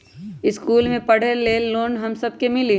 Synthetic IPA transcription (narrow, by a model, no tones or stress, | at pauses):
ɪskuːlmẽpɐɽ̤elːeːlːoːnɦɐmsɐb̚kemɪli